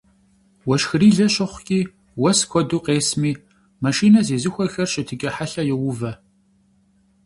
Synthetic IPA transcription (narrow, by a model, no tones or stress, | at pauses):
wɔʃxɨriːɮɐɕɐχʷkʲʼiː | wɐskʷʰɔduːqeːsmiː | maʃiːnɐzeːzɨxʷɐxɐrɕɪtʰɨkʲʼɐħaɬɐjɛwʊvɐ